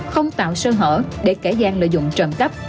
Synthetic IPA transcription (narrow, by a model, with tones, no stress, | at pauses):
xə˧wŋ͡mt̪a̰ː˧˨wsəː˧ɦə̰ː˧˩ɗe˧˩ke˧˩zaː˧ŋlə̰ː˧˨jzʊ̰˧˨ŋ͡mt͡ɕə˨˩nkə˦˥p̚